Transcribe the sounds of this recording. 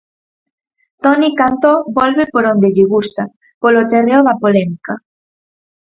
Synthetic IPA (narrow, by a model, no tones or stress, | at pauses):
t̪onikant̪obolβepoɾõnd̪eʎeɣust̪a | polot̪ereoðapolɛmika